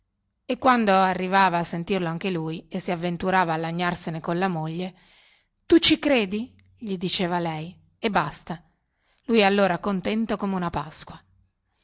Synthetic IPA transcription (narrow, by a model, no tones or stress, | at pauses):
ekːwand̪oarːivaːvaːsːent̪irloaŋk̟elujesːiavːent̪uɾaːvaːlːaɲːarsenekonlamoʎːe | t̪ut͡ʃːikɾeːd̪i | ʎid̪it͡ʃeːvalɛj | ebːast̪a | lujɛalːoːɾakont̪ɛnt̪okomeunapaskwa